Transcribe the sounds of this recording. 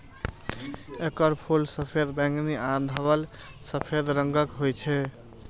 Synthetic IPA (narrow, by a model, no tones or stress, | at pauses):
ekəɾpʰulsəpʰed̪bãŋkniad̪ʱəbəl | səpʰed̪ɾəŋɡəkɦojt͡ʃʰɛ